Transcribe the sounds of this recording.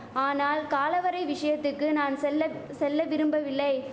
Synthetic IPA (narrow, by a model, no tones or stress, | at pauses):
aːnaːlkaːlɐʋɐɾɐɪʋɪʂɐjɐt̪ːɯkːɯnaːnɛlːsɛlːɐʋɪɾɯmbɐʋɪlːɐɪ